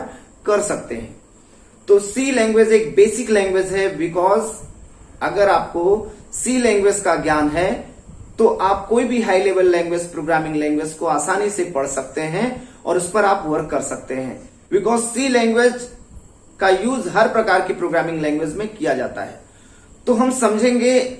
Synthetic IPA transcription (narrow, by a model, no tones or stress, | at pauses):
kɐɾsɐk̚t̪eɦɛ̃ː | t̪oːsiːlɛ̃ːŋɡʋed͡ʒeːk̚beːsɪklɛ̃ːŋɡwed͡ʒɦɛbɪkɔːz | ɐɡəɾaːp̚kosiːlɛ̃ːŋɡʋed͡ʒkaɡjaːnɦɛ | t̪oʔaːp̚koːibʱiɦaːileːbəlːɛ̃ːŋɡwed͡ʒpɾoːɡɾaːmɪ̃ŋɡlɛ̃ːŋɡʋed͡ʒkoaːsaːnisepɐɽ̤sɐk̚t̪eɦɛ̃ɔ̰ːɾʊspɐɾaːpʋɐɾkːɐɾsɐk̚t̪eɦɛ̰̃ː | bɪkɔːzsiːlɛ̃ːŋɡʋeːd͡ʒ | kajuːzɦɐɾpɾɐkaːɾkepɾoːɡɾaːmɪ̃ŋɡlɛ̃ːŋɡʋed͡ʒmẽkijad͡ʒa̰ːt̪a̰ɦɛ̰ː | t̪oːɦɐmsɐ̃md͡ʒʱẽːŋɡe